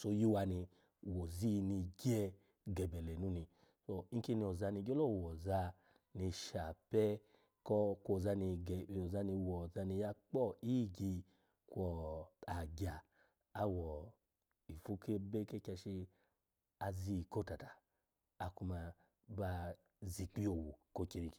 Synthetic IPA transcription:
so˧ju˦wa˧ni˧ | wo˨zi˦˧ni˧ɡi˦ɛ˦˧ | ɡɛ˨bɛ˨lɛ˨nũ˦ni˧ | so˧i˦ki˧ni˧ɔ˨za˧ni˧ɡɛ˦lɔ˦˨wɔ˨za˧ | ni˧ʃa˨pɛ˦ | kɔ˦kʷo˧˨za˧ni˧ɡɛ˨˧˨za˧ni˧wɔ˨za˧ni˧ja˧k͡pɔ˦˨i˦˨ɡi˧ | kʷɔ˧a˨ɡʲa˨ | a˧wɔ˨ | i˨fu˦ke˦be˦ke˦ka˧ʃi˧ | a˧zi˧˨ko˦ta˨ta˨ | a˧ku˧ma˧ | ba˧ | zi˨k͡pi˦o˨wu˨ko˧˦ke˧ni˧k

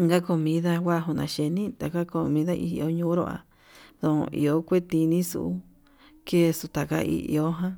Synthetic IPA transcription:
ŋɡa˦ko˧mĩ˧˦ða˧wʷa˦˧ɦu˧nã̰˨ʃe˧nĩ˦t̪a˨ka˦ko˧˨mĩ˧˦ða˦ʔi˧˨˧o˧˦ɲũː˧˦ɾo̰˧ʔa̰˨ | ðõ̰˨˧ʔḭ˧o˦kʷe˦t̪i˧nĩ˦sṵ˧˨u˦ | ke˦˧su˧t̪a˨ka̰˦˧ʔḭ˧ʔo˧˦ɦã˦

